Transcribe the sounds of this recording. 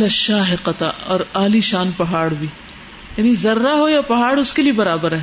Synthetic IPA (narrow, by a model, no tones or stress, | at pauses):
lɐʃaːɦɪqɐt̪aɔ̰ːɾaːliʃaːnpɐɦaːɽbʱiː | jaːnizɐɾːaɦojapɐɦaːɽʊskeliebɐɾaːbəɾɦɛː